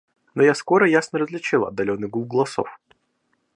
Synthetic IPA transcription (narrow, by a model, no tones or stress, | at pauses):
nojasko̞ɾəjasnəɾəzʲlʲɪt͡ɕilˠɐ̰d̪ːɐlʲo̞nːɨɡulˠɡəlˠɐso̰f